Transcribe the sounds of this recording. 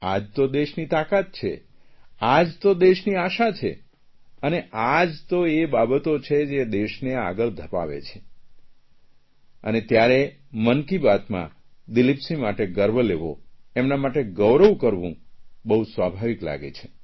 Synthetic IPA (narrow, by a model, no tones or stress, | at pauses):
ad͡ʒt̪od̪eʃnit̪akat̪̚t͡ʃʰḛad͡ʒt̪od̪eʃniaʃat͡ʃʰḛ | əneʔad͡ʒt̪oebabət̪ot͡ʃʰed͡ʒed̪eʃnea̰ɡəɭd̪ʱəpa̰ʋḛt͡ʃʰe̥ | ə̰net̪jaɾemənkibat̪mã̰d̪ilipsimaʈeɡəɾbʱəleʋo̰emnamaʈeɡəʋɾəʋkəɾʋṵ̃bəɦusʋabʱaʋikla̰ɡḛt͡ʃʰe̥